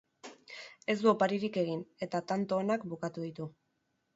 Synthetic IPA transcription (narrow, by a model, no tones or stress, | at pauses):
e̞zd̪uopaɾiɾike̞ɣ̞ine̞t̪at̪ant̪o̞ːnakbukat̪uðit̪u